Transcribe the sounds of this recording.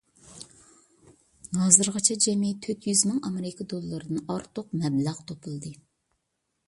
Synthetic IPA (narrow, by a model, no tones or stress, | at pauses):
nɑːzɨɾʁɑt͡ʃʰɛd͡ʒɛmit̪ʰøt̪ʰjyzmɪŋɑmeɾɪkʰɑd̪olˠɨlːˠɨɾɨd̪ɨnɑɾt̪ʊqmɛblæʁt̪ʰopʰulˠd̪ɨ